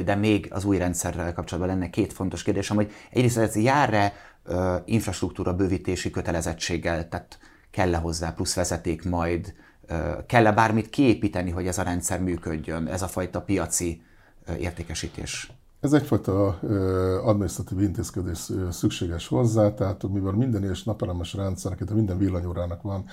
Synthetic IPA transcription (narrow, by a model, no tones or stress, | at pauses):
d̪ɛmeːɡɒ̰zuːjrɛnt̪sɛrːɛlkɒpt͡ʃolɒd̪bɒnlɛnːɛkeːt̪fo̞nt̪o̞ʃkeːrd̪eːʃɛmho̞ɟɛ̰ɟreːst̪ɛzjaːrːɛ | øiɱfrɒʃt̪rukt̪uːɾʔɒbøːvit̪eːʃikøt̪ɛlɛzɛt͡ʃːeːɡːɛlt̪aːt̪ | kɛlːɛɦo̞zːaːplusʋɛzɛt̪eːkmɒjd̪ | kɛlːɛbaːrmit̪kieːpiːt̪ɛniɦo̞ɟɛzɒɾɛnt̪sɛrmyːkøɟːø̞nɛ̰zɒfɒjt̪ɒpijɒt̪si | ḛːrt̪eːkɛʃiːt̪ḛːʃ | ɛzɛcfɒjt̪ɒ | ɒd̪minist̪rɒt̪iːvint̪eːskɛd̪eːʃsykʃeːɡɛʃho̞zːaːt̪ɛɦaːt̪homibɛlmind̪ɛneʃnɒpɛlɛmɛʃrɛnt̪sɛɾnɛkinɛmind̪ɛɱvilːɒɲoːɾaːnɒkʋɒn